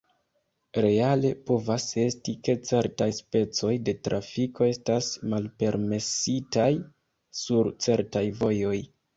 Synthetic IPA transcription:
ɾe̞ale̞po̞vase̞stike̞t͡se̞ɾtajspe̞t͡so̞jde̞tɾʔafikʰo̞e̞stasmalpe̞ɾme̞sitaj | suɾt͡se̞ɾtajvo̞jo̞j

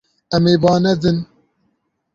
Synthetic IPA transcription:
ɛmeːbɑːnɛd̪ɨn

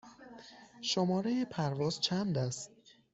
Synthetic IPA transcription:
ʃomɒːɾejepʰæɾvɒːz̥t͡ʃʰænd̪æst̪̚

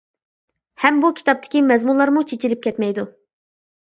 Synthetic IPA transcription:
hɛmbukʲʰi̥t̪ɑp̚t̪ʰɪ̥kʲimɛzmunlˠɑɾmut͡ʃʰet͡ʃilɪp̚kʲɛt̪mɛjd̪u

